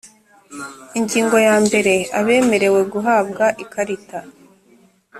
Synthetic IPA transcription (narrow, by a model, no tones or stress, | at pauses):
iɲɟiːŋɡo̞jaːmbe̞ɾe̞aβe̞ːme̞ɾe̞we̞ɡuɦaːbɡaʔikaɾita